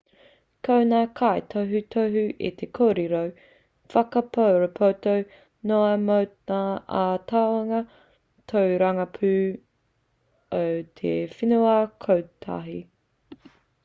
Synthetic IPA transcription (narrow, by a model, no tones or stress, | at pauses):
kʰownaːkʰajt̪ʰoɦʉt̪ʰoɦʉʔḭt̪ʰekʰoːɾiɾow | fɐkɐpʰowɾopʰowt̪ow | noɐmowtaaːt̪ʰawɐŋɐ | t̪ʰowɾɐŋɐpʰʉː | owt̪ʰḛfinuakʰowt̪ʰa̰ɦi